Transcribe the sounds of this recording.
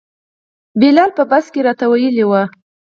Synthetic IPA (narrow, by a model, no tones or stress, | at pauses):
belɑlpəbaskeɾɑt̪awajəlewa